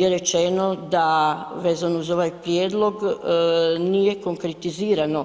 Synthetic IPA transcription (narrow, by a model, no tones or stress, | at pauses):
jeɾe̞t͡ʃenod̪aʋe̞ːzanouzo̞ʋajpɾjeːd̪lˠo̞ɡ | nije̞ko̞ŋkɾet̪iziːɾano